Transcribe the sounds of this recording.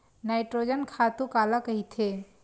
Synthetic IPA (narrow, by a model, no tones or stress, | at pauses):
naɪʈɾod͡ʒənkʰat̪ũkaːlakɐɦit̪ʰe